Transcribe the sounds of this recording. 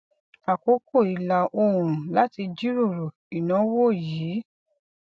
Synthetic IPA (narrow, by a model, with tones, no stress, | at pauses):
a˨ko˨˦ko˦˨i˨la˨ʔo˧˨ɾ̃ũ˨la˦ti˧d͡ʒi˦ɾo˦˨ɾo˨ | i˨nã˨˦wo˦˨jiː˨˦